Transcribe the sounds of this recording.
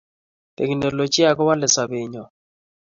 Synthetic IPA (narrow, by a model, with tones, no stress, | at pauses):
tḛ˨ki˨no˨lo˨t͡ʃi˦a˦kɔ˦wa˦lɪ˨sa˨βɪ˨ɲɔ˨